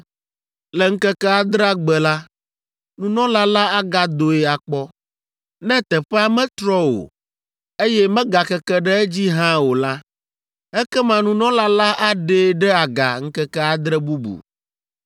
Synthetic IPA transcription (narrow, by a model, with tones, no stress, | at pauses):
lɛ˨ŋ̩˦kɛ˦kɛ˦a˨d̪ɾa˦ɡ͡bɛ˨la˦ | nũ˨nɔ̃˦la˦la˦a˦ɡa˦d̪o˨e˨a˨k͡pɔ˦ | nɛ̃˦t̪ɛ˨ɸɛ˦a˦mɛ̃˦t̪ɾɔ˦wo̰˨ | e˦jɛ˦mɛ̃˦ɡa˨kɛ˦kɛ˦ɖɛ˦ɛ˦d͡ʑi˦ɦã˦wo˨la˦ | ɛ˦kɛ˦mã˨nũ˨nɔ̃˦la˦la˦ʔa˦ɖe˦ɖɛ˦a˨ɡa̰˨ŋ̩˦kɛ˦kɛ˦a˨d̪ɾɛ˦bu˦bṵ˨